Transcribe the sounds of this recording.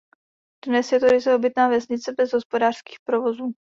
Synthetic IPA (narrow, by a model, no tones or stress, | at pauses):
d̥nɛsjɛt̪oɾɪzɛobɪt̪naːvɛsɲɪt͡sɛbɛzɦospodaːr̥ski̥ːxpɾovozuː